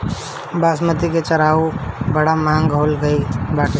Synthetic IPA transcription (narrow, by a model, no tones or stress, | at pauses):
baːsmət̪iket͡ʃɐɾaːubɐɽamãːŋɡɦoːlɡɐibaːʈ